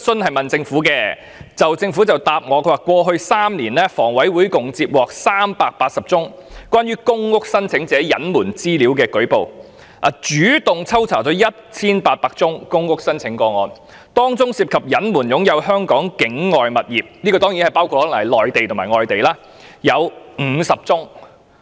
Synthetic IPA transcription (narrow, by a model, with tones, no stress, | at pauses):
sɵ˥nhɐ˨jmɐ˨nt͡sɪ˧ŋfuː˨˥kɛː˧ | t͡sɐ˨˩wt͡sɪ˧ŋfuː˨˥t͡sɐ˨wt̪aː˨p̚ŋɔː˨˧kʰwaː˨˩kʷwɔː˧ɦɵ˧ɥsaː˥mniː˨˩nlɛː˥fɔː˨˩ŋwɐ˨˥jwuː˨˥jkʊ˨ŋt͡siː˧p̚wɔː˨k̚saː˥mpaː˧k̚paː˧t̚sɐ˨˩p̚t͡sʊ˥ŋkwʷaː˥njyː˥kʊ˥ŋkʊ˥k̚sɐ˥nt͡sʰɪ˨˧˥ŋt͡sɛː˨˥jɐ̰˨˥nmuː˨˩nt͡siː˥liː˨˥wkɛː˧kɵ˨˥ɥpo˨w | ʔa̰ː˨˩t͡ʃyː˨˥t̪ʊ˨ŋt͡sʰɐ˥wt͡sʰaː˨˩t͡sɔː˨˥jɐ˥t̚t͡sʰiː˥npaː˧t̚paː˧k̚t͡sʊ˥ŋkʊ˥ŋkʊ˥k̚sɐ˥nt͡sʰɪ˨˥ŋkɔː˧ŋɔː˨˧n | t̪ɔː˥ŋt͡sʊ˥ŋsi˧p̚kʰɐ˨p̚jɐ˨˥nmuː˨˩njʊ˨˥ŋjɐ˨˧whœː˥ŋkɔː˨˥ŋkɪ˨˥ŋŋɔː˨jmɐ˨t̚jiː˨˩p̚niː˥kɔː˧t̪ɔː˥ŋji˨˥nhɐ˨jpaː˥wkʰu˧t̚ːlɐ˨˩jlɔː˨jt̪e˨jt̪ʰʊ˨˩maː˨˩jŋɔː˨jt̪e˨jlaː˥ | jɐ˨˧wm̩ː˨˧sɐ˨p̚t͡sʊ˥ŋ